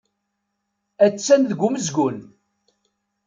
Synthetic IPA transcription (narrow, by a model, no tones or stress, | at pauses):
æt͡sːænðəɡʷːuməzɡʷʊn